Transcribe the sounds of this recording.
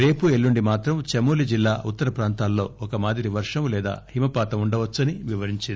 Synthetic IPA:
ɾe̞ːpueɭːuɳɖimaːt̪ɾɐmt͡ʃemoːlid͡ʒilːaːut̪ːɐɾɐpɾaːnt̪aːlːo̞ːɔkɐmaːd̪iɾiʋɐɾʂɐmlɛːd̪a̰ːhimɐpaːt̪ɐmuɳɖɐʋɐt͡ʃːɐniʋiʋɐɾiɲt͡ʃind̪i

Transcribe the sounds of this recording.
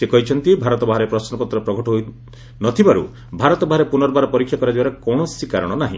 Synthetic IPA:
ekɔɦit͡ʃʰɔnt̪ibʱaɾɔt̪ɔbaɦaɾepɾɔsnɔpɔt̪ɾɔpɾɔɡɔʈɔɦoj | nɔt̪ʰibaɾṵ | bʱaɾɔt̪ɔbaɦaɾepunɔɾbaɾɔpɔɾikʰːjakɔɾad͡ʒibaɾekɔwɽ̃ɔsikaɾɔɽ̃ɔnaɦḭ̃

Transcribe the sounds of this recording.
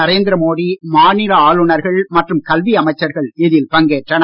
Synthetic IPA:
ɐɾeːnd̪ɪɾɐmoːðimaːnɪlɐaːlɯɳɐɾɣɐɭmɐʈrɯmkɐlʋiɐmɐɪt͡ʃːɐɾɣɐɭɪðɪlpɐŋɡeːʈrɐn

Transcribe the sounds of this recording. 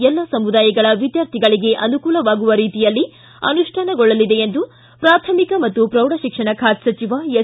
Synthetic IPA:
ɛlːɐsɐmud̪aːjɐɡɐɭɐʋid̪jaːɾt̪ʰiɡɐɭiɡe̞ʔɐnukuːlɐʋaːɡuʋɐɾiːt̪ijɐlːi | ɐ̰nuʂʈʰaːnɐɡɔɭːɐlid̪e̞end̪u | pɾaːt̪ʰɐmikɐmɐt̪ːupɾɐwɽɐʃikʂɐɳɐkʰaːt̪sɐt͡ʃiʋɐe

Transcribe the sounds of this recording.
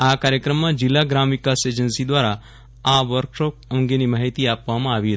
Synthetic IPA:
akaːɾjəkɾəmːãd͡ʒilːaɡɾamikased͡ʒənsid̪ʋaɾa | aʋəɾkʂok̚ə̃ŋɡenimaːɦit̪iapʋamãːʋiɦət̪

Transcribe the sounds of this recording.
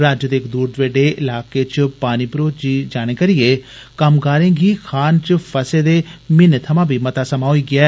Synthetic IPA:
ɾaːd͡ʒəd̪eːkd̪uːɾd̪ʋeːɖeːʔɪlaːkeːt͡ʃpaːñiːpɾoːt͡ʃiːd͡ʒaːɽ̃eːkəɾɪjeː | kəmɡaːɾẽːɡiːkʰaːnt͡ʃpʰəseːd̪eːmɪnet̪ʰəmãːbʱiːmət̪aːsəmaːɦoiːɡɪɛː

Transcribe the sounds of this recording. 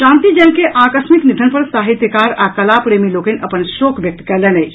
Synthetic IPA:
ʃãnt̪id͡ʒənkeʔakəsmiknid̪ʱənpəɾsaɦit̪jəkaɾakəlapɾemilokenəpənsokbjək̚t̪kɛlenəɪt͡ʃʰ

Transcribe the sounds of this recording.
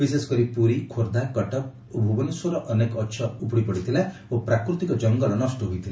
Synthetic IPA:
bisesɔ̥kɔɾipuɾikʰoɾd̪akɔʈɔk̚ | ubʱubɔneswɔɾɔʔɔnekɔtːʃʰɔupɽipɔɽit̪ʰila | opɾakɾut̪ikɔd͡ʒɔŋɡɔlɔnɔsʈɔɦujt̪ʰila

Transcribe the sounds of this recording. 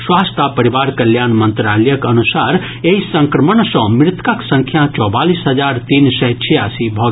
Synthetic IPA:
swast̪ʰapəɾiʋaɾkəljanmənt̪ɾaləjəkənusaɾ | eisə̃ŋkɾəməɳsɔ̃mɾɪt̪kaksə̃ŋkʰjat͡ʃɔbalisɦəd͡ʒaɾt̪insɛt͡ʃʰijasibʱɔɡ

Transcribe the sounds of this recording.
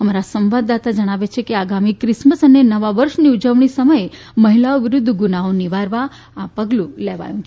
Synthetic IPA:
əmaɾasə̃mʋad̪at̪ad͡ʒəɽ̃aʋet͡ʃʰekeaɡamikɾɪsməsənenəʋaʋəɾʃniud͡ʒəʋɳ̃isəməje | məɦilaoʋiɾʊd̪ʱːɡunaoniʋaɾʋaː | pəɡlũleʋa̰jũt͡ʃ

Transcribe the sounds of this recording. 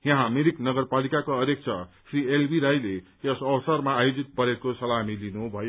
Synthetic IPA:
jʌ̃ɦãmeɾiknʌɡʌrpalikakoʌd̪jek̚t͡sʰʌ | srielbʱiɾajle | jʌsʌbsʌrmaːjod͡zit̪̚pʌɾekosʌlaɦmilinubʱʌjo

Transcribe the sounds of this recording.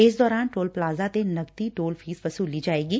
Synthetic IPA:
ɪs̬d̪ɔːɾaːnʈoːlplaːzat̪enəɡt̪iːʈoːlpʰiːzʋəsuːliːd͡ʒaːeːɡiː

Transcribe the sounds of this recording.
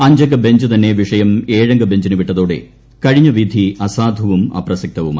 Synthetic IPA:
ɐɲd͡ʑɐŋɡɐbe̞ɲd͡ʑɨt̪ɐnːe̞ʋiʂɐjɐmeːɻɐŋɡɐbe̞ɲd͡ʑinɨʋiʈːɐðo̞ːɽe̞̰ | kɐɻiɲːɐʋid̪ʱiɐsaːd̪ʱuʋumɐ̰prɐsɐk̚t̪ɐʋuma̰ː

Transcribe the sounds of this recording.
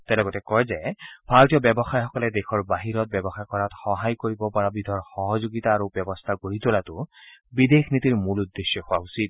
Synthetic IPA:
t̪ɛlɔɡɔtɛkɔjzɛb̥ʱaɹt̪ijɔbɛbɔxajxɔkɔlɛd̪exɔɹbaɦiɹɔt̪̚bɛbɔxakɔɹat̪xɔɦajkoɹibɔpaɹabid̪ʱɔɹxɔɦɔzoɡit̪aːɹobjɔbɔst̪ʰaɡoɹit̪olat̪ʊbid̪exʰnit̪iɹmulud̪ːesjɔhʊausit̪̚

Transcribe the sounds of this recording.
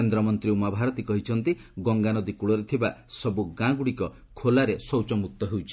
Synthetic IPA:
end̪ɾɔmɔnt̪ɾiumabʱaɾɔt̪ikɔɦit͡ʃʰɔnt̪i | ɡɔŋɡanɔd̪ikuɭɔɾet̪ʰibasɔbuɡãɡuɽikɔ | kʰolaɾesɔwt͡ʃɔmut̪ːɔɦewt͡ʃʰi̥

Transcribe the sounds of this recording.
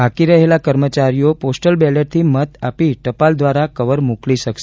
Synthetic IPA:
bʱakiɾəɦelakəɾmət͡ɕaɾijoposʈəlbɛleʈ̚t̪ʰiːmət̪apiʈəpald̪ʋaɾakəʋəɾmukliːɕəkse

